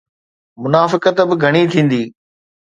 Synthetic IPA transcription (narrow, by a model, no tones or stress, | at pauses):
mʊnaːfɪkət̪bɪɡʱɐɽ̃it̪ʰĩːn̆d̪iː